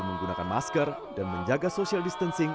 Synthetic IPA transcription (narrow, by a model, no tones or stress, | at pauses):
məŋɡunakanmaskər | danməɲd͡ʒaɡasosialdist̪ənsɪŋ